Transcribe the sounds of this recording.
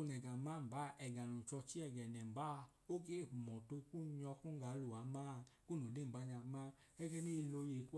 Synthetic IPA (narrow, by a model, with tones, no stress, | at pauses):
o˧nɛ˨ɡa˨ma˦˨m̩˨ba˨˦ʔɛ˨ɡa˨nũ˨t͡ʃɔ˧t͡ʃi˦ɛ˦˨ɡɛ˨nɛ˨m̩˨ba˦˧ | o˦ɡe˦˨ɸu˨mɔ˨to˧ku˦˧ɲɔ˧ku˦ŋ˦ɡa˨˦lo˨a˨˦maː˦˧ku˦no˨de˦˨m̩˨ba˨˦ɲa˧˦ma˦ | ɛ˦ɡɛ˦ni˦˧lo˧˦je˨˦ku˦